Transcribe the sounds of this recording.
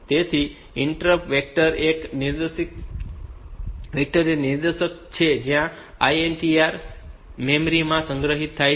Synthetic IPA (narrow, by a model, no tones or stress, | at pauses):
t̪et̪ʰi | ɪɳʈɾəpʋek̚ʈəɾekniɾd̪əsik | ʋek̚ʈəɾeniɾd̪əʃək̚t͡ʃʰed͡ʒjã | aienʈiaɾmemɾimãsə̃ŋɡɾəɦit̪ʰːaj